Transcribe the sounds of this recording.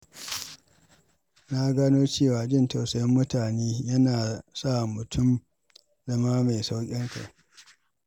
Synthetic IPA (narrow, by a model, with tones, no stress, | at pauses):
na˦ɡaː˦noː˦t͡ʃeː˦˨waː˨d͡ʒɪ˦˨nta˨wsɐ˨jɐ˦mːʊ˦taː˨neː˦jɐ˦naː˨sa˦˨mʊ˨tʰʊ˦m | zɐ˦maː˦ma˨jsa˦wkʲʼɪ˦ŋka̰˨ʔ